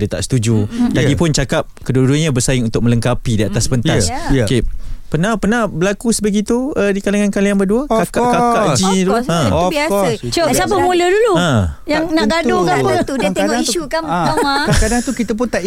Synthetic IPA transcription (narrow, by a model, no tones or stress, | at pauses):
dət̪a̰ʔsə̥t̪ud͡ʒudaɡipʊnt͡ʃakap̚kəduduɲabəsaɪŋunt̪ʊk̚mə̃ləŋkapidiat̪asbənt̪askepənahpənahbəlakusəbəɡit̪uədikalaŋankalianbəduəkkakad͡ʒiduuə̃biasəosapəmuləduluə̃jaŋnaɡadokaput̪udiəeŋɔiʃukanamakakadaŋt̪ukit̪əp̬ʊnt̪aʔ